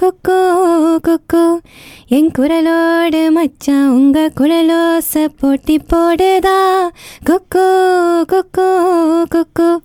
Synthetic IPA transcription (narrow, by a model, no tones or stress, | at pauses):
kukːukukːueŋkuɾɐloːɖɯmɐt͡ʃːauŋɡɐkuɾɐlosɐpoːʈːipːoːɽed̪akukːukukːukukːu